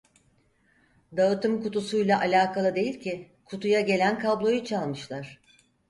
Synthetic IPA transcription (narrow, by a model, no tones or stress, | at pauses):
d̪aɯt̪ɯmkut̪usujlˠaʔalʲaːkʰalˠɯd̪e̞jilʲcʰɪ | kʰut̪ʰujaɟe̞lʲænkʰablˠo̞jut͡ʃʰalˠmɯʃlˠaɾ̥